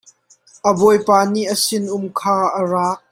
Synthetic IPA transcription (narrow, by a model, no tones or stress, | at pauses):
ʔəbɔːjpaːniʔəsɪnʔʊmkʰaːʔəraːʔ̚